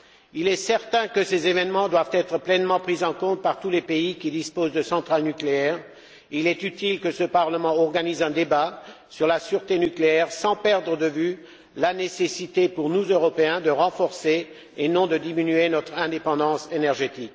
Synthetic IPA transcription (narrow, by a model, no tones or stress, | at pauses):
ilɛsɛʁt̪ɛ̃kəsezevɛnmɑ̃d̪wavt̪ɛt̪χəplɛnmɑ̃pχizɑ̃kɔ̃t̪̚paʁt̪ulepeikʲid̪ispozd̪əsɑ̃t̪χalnykleɛːʁ | ilɛt̪yt̪ilkəsəpaʁləmɑ̃ɔʁɡanizɛ̃d̪eba | syʁlasyʁt̪enykleɛʁsɑ̃pɛʁd̪ʁəd̪əvy | lanesesit̪epuʁnuzøʁɔpeɛ̃d̪əʁɑ̃fɔʁseː | nɔ̃d̪əd̪iminyenɔt̪χɛ̃d̪epɑ̃d̪ɑ̃senɛʁʒet̪ik